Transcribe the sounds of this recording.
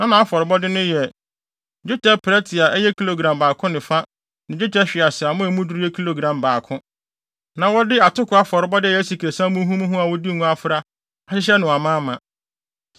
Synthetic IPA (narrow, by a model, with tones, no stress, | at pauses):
nã˦nã˨a˦fɔ˨ɾɪ˨bɔ˦dɪ˦nʊ̃˦jɛ˨ | d͡ʑᶣu˦tʰɛ˦pʰɾɛ˦tʰɪ˨a˨ʔɛ˦jɛ˦kʰi˦lo˨ɡɾã˨mbaː˨kʰʊ̃˦nɪ̃˨fa˦ | nɪ̃˨d͡ʑᶣʊ˦tɛ˦ɕᶣɪ˨a˨sɪ˨a˨mʊ̃˦ɛ˨mũ˦du˦ɾi˦ɛ˦kʰi˦lo˨ɡɾã˨mbaː˨kʰʊ̃˦ | nã˨wɔ˦dɪ˦a˨tʊ˦kʰʊ˨˦a˦fɔ˨ɾɪ˦bɔ˦dɪ˦˨ɛ˨˦si˨kʰe˨sã˦mũ˦ɦũ˦mũ˦ɦũ˦a˨wɔ˦di˦˨ŋũ˦a˦fɾa˦ | a˦ɕɪ˦ɕ̬ɛ˦nʊ̃˨a˨mãː˦mã˨